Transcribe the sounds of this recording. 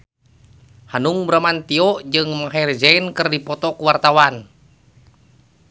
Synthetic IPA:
hanuŋbɾamant̪iɔʔd͡ʒɨŋmaɦard͡ʒɛnkɨrdipɔt̪ɔkuwart̪awan

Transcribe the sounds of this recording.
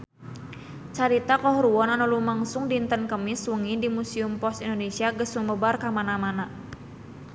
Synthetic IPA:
t͡ʃaɾit̪akɔɦɾuɔnanulumaŋsʊŋdint̪ənkəmɪswəŋidimusiumpɔsindonesiaɡəsməməbarkamanamana

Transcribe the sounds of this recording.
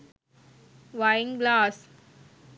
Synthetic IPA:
ʋaɪɪ̃ŋɡlaːs

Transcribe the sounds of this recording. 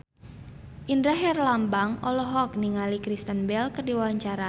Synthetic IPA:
ʔindɾaɦɛrlambaŋʔɔlɔɦɔkniŋalikɾist̪ənbɛlkədiwawaɲt͡ʃaɾa

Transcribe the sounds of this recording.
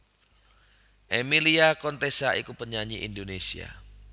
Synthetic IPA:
ʔemiliakɔnt̪esaʔikupəɲaɲiʔindonesia̰

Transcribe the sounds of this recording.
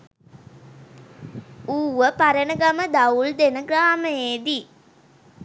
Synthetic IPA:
uːʋəpaɾənəɡaməd̪auld̪enəɡɾaːməjeːd̪i

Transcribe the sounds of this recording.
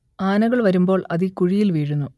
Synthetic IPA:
aːnɐɣɐɭʋɐɾumbo̞ːɭɐðikuɻijilʋiːɻunːu

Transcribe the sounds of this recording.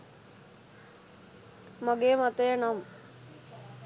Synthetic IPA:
maɡeːmat̪əjənam

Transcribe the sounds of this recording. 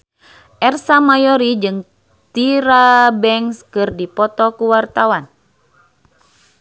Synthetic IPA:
ʔɛrsamajɔɾid͡ʒɨŋ | t̪iɾabɛŋskɨrdipɔt̪ɔkuwart̪awan

